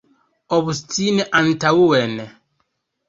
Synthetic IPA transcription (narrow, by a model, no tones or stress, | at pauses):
ɔβustinɛʔantawuwɛnɛ